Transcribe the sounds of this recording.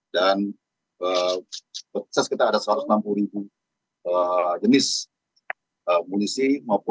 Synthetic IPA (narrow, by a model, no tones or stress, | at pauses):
dan | ə | pəsaskit̪aːdasəaɾʊsnampuluɾibu | əd͡ʒənɪs | əmolisimawpʊ